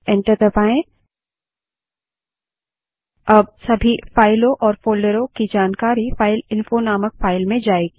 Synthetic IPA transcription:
ɛ̃ɳʈəɾd̪ɐpaːẽ | ɐb̚sɐbʱifaːɪlõʔɔːɾfoːlɖəɾõkid͡ʒaːnkaːɾifaːɪlɪ̃nfonaːmək̚faːɪlmẽd͡ʒaːeɡi

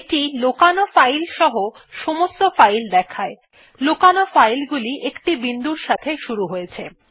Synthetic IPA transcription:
ʈilokanofajlʃɔɦo | ʃomost̪ofajld̪ɛkʰae | lokanofajlɡuliʔekʈibind̪uɾʃat̪ʰeʃuɾuɦojet͡ɕʰe

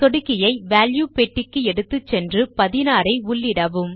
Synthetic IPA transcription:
t̪ɔɽɯkːɪjɐɪʋaːljuːpɛʈːɪkːɯɛɽɯt̪ːɯt͡ʃːɛndrɯpɐðɪnaːɾɐɪʊɭːɪɽɐʋɯm

